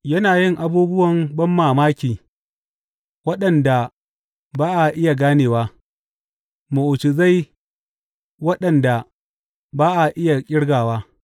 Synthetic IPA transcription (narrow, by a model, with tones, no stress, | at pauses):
jɐ˦naː˨jɪ˦˨ŋʔa˨buː˦bʊ˦wɐ˨mbɐ˦mːaː˨maː˦kʲiː˨ | wɐ˦ɗɐ˨nda˨ | baː˦ʔa˨ʔɪ˦ja˨ɡaː˦neː˨waː˦ | mu˨ʔʊ˨t͡ʃɪ˨za˦˨j | wɐ˦ɗɐ˨nda˨ | baː˦ʔa˨ʔɪ˦ja˨kʲʼɪ˦ɽɡaː˨waː˦